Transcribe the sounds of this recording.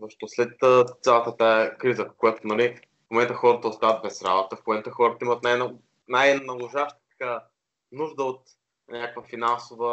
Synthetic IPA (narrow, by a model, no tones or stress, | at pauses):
zəʃt̪ɔslɛt̪ːt̪sʲjalˠət̪ət̪aɛkɾizəkojat̪onɐli | fmomɛnt̪oxɔɾət̪əost̪avət̪bɛsɾa̰bot̪əfmomɛnt̪oxɔɾət̪əimət̪najn | najnɐlˠʊʒaʃt̪ka | nuʒd̪əot̪ | nʲakkvəfinansovə